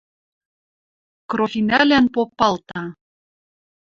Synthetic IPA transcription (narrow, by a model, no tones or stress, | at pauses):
kroxinælænpopːɑlt̪ɑ